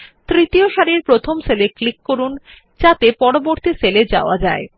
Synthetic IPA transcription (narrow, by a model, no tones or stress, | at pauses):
t̪ɾit̪ioʃaɾiɾpɾot̪ʰomseleklikːoɾun | d͡ʑat̪epɔɾoboɾt̪iseled͡ʑa̰oad͡ʑae